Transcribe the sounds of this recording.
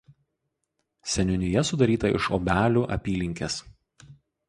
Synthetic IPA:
sʲɛnʲʊnʲɪjɛsʊd̪ɐɾʲiːt̪ɐʔɪ̰ʃɔ̰bʲæːlʲuːʔɐ̰pʲiːlʲɪŋʲkʲeːs

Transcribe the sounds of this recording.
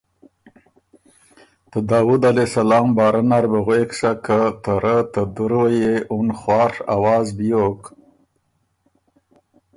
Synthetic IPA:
t̪əd̪ɑːwud̪alesalɑːmbɑːɾanaɾbəɣwekʂakət̪əɾət̪əd̪uɾojeʔunχwɑːɾa̰wɑːzbijok

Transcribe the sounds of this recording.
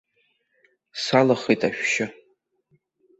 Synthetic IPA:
salaχejtʼaʃᶣʃɪ

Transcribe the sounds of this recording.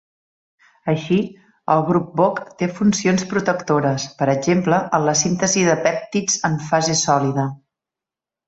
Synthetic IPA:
əʃi | əlˠɣɾup̚bokt̪efunsionspɾut̪əkt̪oɾəspəɾəd͡ʒempləʔənləsint̪əziðəpɛp̚t̪id͡zəɱfazesɔliðə

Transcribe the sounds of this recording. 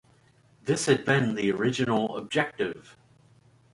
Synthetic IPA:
ðɪshəd̚bɪ̃nðiəɹɪd͡ʒɪnəlˠə̰b̚d͡ʒɛk̚tɪv̥

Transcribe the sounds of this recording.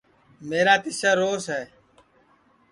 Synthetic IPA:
meːɾaːt̪ɪsaːɾoːsɦɛː

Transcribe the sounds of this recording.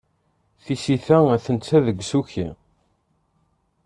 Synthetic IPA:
θisiθææθənt͡sːæðəɡʷːsuçḭ

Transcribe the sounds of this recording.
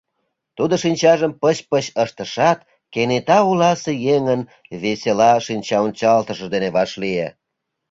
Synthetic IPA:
t̪ud̪oʃinʲt͡ɕɑʒəmpəɕpəɕəʃt̪əʃɑt̪ | kenet̪ɑulɑsejeŋən | βeselɑʃinʲt͡ɕɑonʲt͡ɕɑlt̪əʃə̆d̪eneβɑʃliḛ

